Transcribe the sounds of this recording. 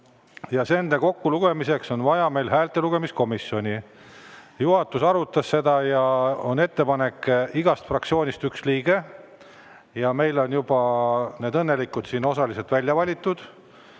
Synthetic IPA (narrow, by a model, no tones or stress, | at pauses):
jɑse̞nd̪eko̞kːuluɡ̥e̞mise̞kso̞nvɑjɑme̞jlɦæːlt̪ːˑe̞luɡ̥e̞misko̞miso̞nʲi | juɦɑt̪ːusɑɾut̪ːˑɑsse̞d̪̥ɑjɑo̞ne̞t̪ːe̞pɑne̞kːˑiɡ̥ɑst̪frɑkt̪sio̞ːnʲist̪yksliːɡ̥e̞ | jɑme̞jlo̞njub̥ɑne̞ːd̪ɤnːe̞likːud̪siːno̞sɑlise̞lt̪vælʲjɑvɑlʲit̪ːˑud̪̥